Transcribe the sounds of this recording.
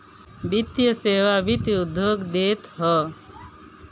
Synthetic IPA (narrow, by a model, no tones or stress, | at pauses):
bit̪jəseːʋabʱit̪iud̪ʱjoːɡd̪eːt̪ɦɔ